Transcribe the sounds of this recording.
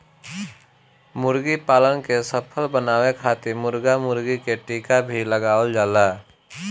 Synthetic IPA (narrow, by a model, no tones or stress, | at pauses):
mʊɾɡipaːlənkesəpʰəlbənaːwekʰaːt̪ɪɾmʊɾɡamʊɾɡikeʈiːkabʱiləɡaːəld͡ʒaːlaː